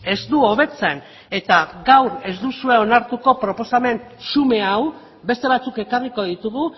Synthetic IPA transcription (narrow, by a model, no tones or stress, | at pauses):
e̞zd̪uo̞β̞e̞t͡se̞n | e̞t̪aɡawɾe̞zd̪usue̞o̞naɾt̪uko̞pɾo̞po̞same̞n | sume̞aw | be̞st̪e̞β̞at͡suke̞kariko̞ðit̪uɣu